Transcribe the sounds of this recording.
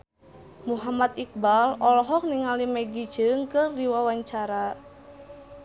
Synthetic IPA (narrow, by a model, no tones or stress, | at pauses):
muɦamat̪ik̚balɔlɔɦɔk̚niŋalimɛɡid̥d͡ʒ̥əŋkɨrdiwawaɲt͡ʃaɾa